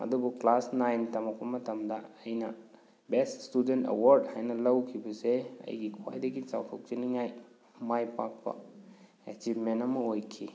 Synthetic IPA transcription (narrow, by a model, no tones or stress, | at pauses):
ɐ̰dubuklasnajntɐmak̚pɐmɐtɐmdɐːjnɐ | beststudentḛwaɾdhajnɐlɐwkʰibɐseɐ̰jɡikʰuwa̰jdɐɡit͡ʃa̰wtʰok̚d͡ʒɐniŋaj | majpak̚pɐ̰ | ḛt͡ʃibmenɐmɐojkʰi